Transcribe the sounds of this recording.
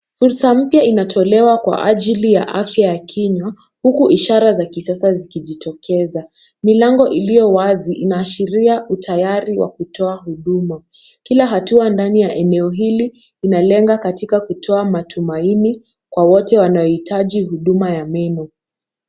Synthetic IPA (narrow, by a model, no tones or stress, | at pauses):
fuɾsam̩pjainatʰɔlɛwakwa̰ʔaʄilija̰ʔafjajakʰiɲwa | hukuʔiʃaɾazakisasazikiʄitʰɔkʰɛza | milaŋɡɔʔilijɔwaziʔinaːʃiɾiautʰajaɾiwa̰kutɔaɦuɗuma | kilaɦatuandanijaʔɛnɛɔɦiliː | nalɛŋɡakatikakutʰɔamatʰumaini | kwawɔtɛwanaɔhitʰaʄiɦuɗumajamɛnɔ